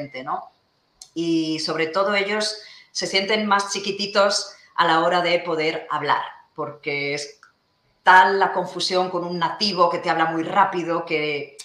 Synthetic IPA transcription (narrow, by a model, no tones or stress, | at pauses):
nt̪eno | iso̞β̞ɾe̞t̪o̞ð̞o̞e̞ʎo̞sːe̞sje̞nt̪e̞ŋmast͡ʃikit̪it̪o̞s | a̰lao̞ɾaðe̞po̞ð̞e̞ɾaβla̰ɾpo̞ɾke̞es | t̪alːakõ̞ɱfusjo̞ŋko̞nunːat̪iβ̞o̞ke̞t̪eaβ̞lamujrapiðo̞ke̞